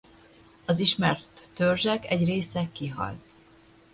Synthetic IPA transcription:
ɒziʃmɛrt̪ːørʒɛkɛɟreːsɛkːiɦɒ̰lt̪

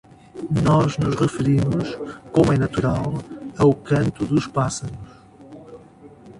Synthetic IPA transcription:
nɔʒnuʒʁɨfɨɾimuʃkomuɛnɐt̪uɾalˠɐukɐ̃nt̪uðuʃpasɐɾuʃ

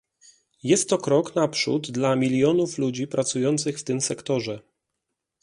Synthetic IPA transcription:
jɛst̪ːɔkɾɔknapʂṵd̪d̪lamʲilʲjɔnuflud͡ʑipɾat̪sujɔnt̪sɘxft̪ɘmsɛkt̪ɔʐɛ

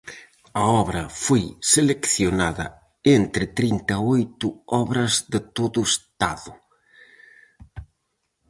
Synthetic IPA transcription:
ɐɔβɾɐfojselekθjonaðɐ̰ | ent̪ɾɪt̪ɾint̪ɐojt̪ʊɔβɾɐzðɪt̪oðʊest̪aðʊ

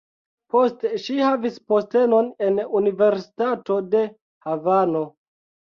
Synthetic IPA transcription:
po̞steʃihavispo̞ste̞no̞ne̞nunive̞ɾsi̥tato̞de̞ | havano̞

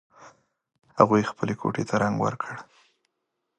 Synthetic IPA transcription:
haɣujxpəlekʰo̰ʈet̪ʰaɾaŋɡwə̰ɾkʰəɽ

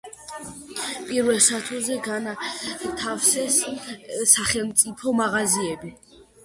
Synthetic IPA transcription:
pʼiɾvɛlˠsat̪ʰuzɛɡanat̪ʰafsɛsː | aχɛlˠmt̪sʼipʰɔmaʁaziɛbi

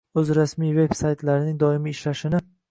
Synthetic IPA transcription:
ɵzɾasmijve̞bsajt̪laɾɪnɪŋd̪ɒɪmɪːʃlaʃɪnɪ

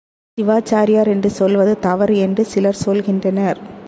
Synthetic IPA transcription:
sɪʋaːt͡ʃaːɾɪjaːɾɛndrɯsɔlʋɐðɯt̪ɐʋɐɾɛndrɯsɪlɐɾsɔlɣɪndrɐnɐɾ

